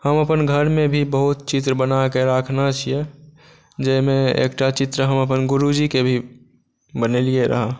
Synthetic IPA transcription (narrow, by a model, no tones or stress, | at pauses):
həməpənɡʱəɾmẽbʱibəɦut̪̚t͡ʃɪt̪ɾəbənakeɾəkʰnat͡ʃʰije | d͡ʒəɪmẽḛːkʈat͡ʃɪt̪ɾəɦəməpənɡʊɾud͡ʒikebʱi | bənelieɾə̰ɦa